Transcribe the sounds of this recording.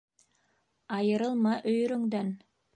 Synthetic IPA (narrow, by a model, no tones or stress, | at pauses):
ɑjɤ̆ɾɤ̆lˠmɑʔɵ̆jɵ̆ɾɵ̆ŋd̪æn